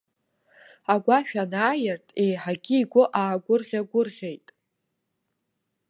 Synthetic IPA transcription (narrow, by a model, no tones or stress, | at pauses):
aɡʷaʃᶣanaːjɪrtʼe̞jħaɡʲɪiɡʷʊʔaːɡʷʊrʁʲaɡʷʊrʁʲe̞jtʼ